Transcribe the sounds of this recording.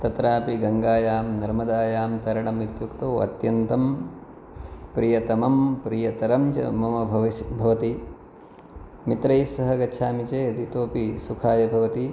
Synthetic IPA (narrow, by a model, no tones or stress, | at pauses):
t̪ɐt̪ɾaːpiɡɐŋɡaːjaːmnɐɾmɐd̪aːjaːmt̪ɐɾɐɽɐmit̪jukt̪oːɐ̰t̪jɐnt̪ɐm | pɾijɐt̪ɐmɐmpɾijɐt̪ɐɾɐmt͡ʃɐ̰mɐmɐbʱɐʋibʱɐʋɐt̪i | mit̪ɾɐjsɐɦɐɡɐːʃʰaːmit͡ʃeːɐd̪it̪oːpisukʰaːjɐbʱɐʋɐt̪i